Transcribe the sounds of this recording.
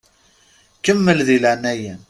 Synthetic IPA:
kəmːəlðilænæjæn

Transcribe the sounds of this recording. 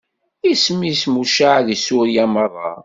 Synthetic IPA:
ismːismuʃaʕðisʊɾjæmərˤːɑ̰

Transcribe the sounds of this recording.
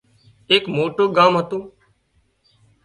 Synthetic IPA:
eːkmoːʈoːɡaːmɦət̪ũː

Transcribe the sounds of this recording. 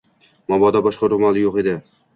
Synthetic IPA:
mɒbɒd̪ɒbɒʃqɑɾʊmalˠɪjoqe̞d̪ɪ

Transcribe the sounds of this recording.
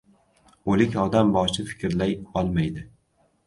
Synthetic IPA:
olɪkʲɒd̪ambɒt͡ʃʰɪfɪ̥kʲɾlajɒlˠmajd̪ɪ

